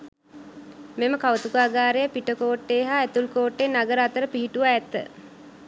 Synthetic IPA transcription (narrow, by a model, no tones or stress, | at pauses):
meməkaʋət̪ukuaːɡaːɾejəpiʈəkoːʈːeɦaːɛt̪ulkoːʈːenaɡəɾəat̪əɾəpiɦiʈuʋaɛt̪ːə̰